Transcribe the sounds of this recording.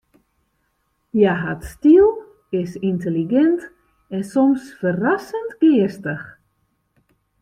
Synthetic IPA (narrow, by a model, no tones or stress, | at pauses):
jaɦatstiəlˠ | ɪsinteliɡɛnt | ɛnsɔmsfərasəntɡ̥ɪəstəx